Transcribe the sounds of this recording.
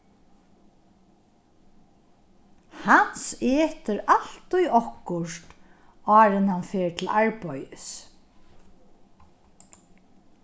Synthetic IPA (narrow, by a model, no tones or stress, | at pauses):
hanseːt̪ɪɾal̥t̪ujɔhkʊʂt̪ | ɑːɾɪnhanfɛːɹt̪ʰɪlaɹpɔjɪs